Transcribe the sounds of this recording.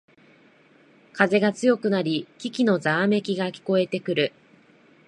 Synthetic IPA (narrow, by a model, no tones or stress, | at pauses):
kaze̞ɡat͡sɨjo̞kɯ̟naɾʲikʲikʲino̞zaːme̞kʲiɡakʲi̥ko̞e̞t̪e̞kɯ̟ɾɯ̟